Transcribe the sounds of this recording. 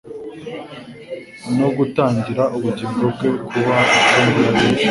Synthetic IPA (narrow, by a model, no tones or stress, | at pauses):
no̞ɡutaːɲɟiɾaʔuβuɟiːŋɡoke̞kʰuβaikuːŋɡuɾaβiːʃ